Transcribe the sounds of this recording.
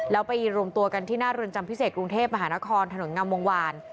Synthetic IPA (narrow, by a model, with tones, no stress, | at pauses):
lɛː˦˥wpa˧jɾu˧mt̪u˧ɐka˧nt̪ʰiː˥˩naː˥˩ɾɯ˧ənt͡ɕa˧mpʰi˦˥seː˨˩t̪̚kɾu˧ŋt̪ʰeː˥˩p̚ma˧ɦaː˩˦na˦˥kʰɔː˧nt̪ʰa˧no˩˦nŋa˧mːo˧ŋwaː˧n